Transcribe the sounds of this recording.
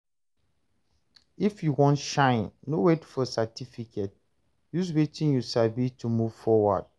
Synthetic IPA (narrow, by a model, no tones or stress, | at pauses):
ifjuwɔ̃ntʃãɪ̃nːowetfɔsatifikʰet̚ | juzwetĩnjuʃabitʰumuvfɔwa̰d̥̚